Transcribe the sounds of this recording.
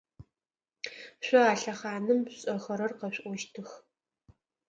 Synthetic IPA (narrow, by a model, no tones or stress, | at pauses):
ɕʷʼɐaːɬɐχaːnɨmɕʼɐxɐɾɐrqɐɕʷʼʔʷɔʃtʰɨx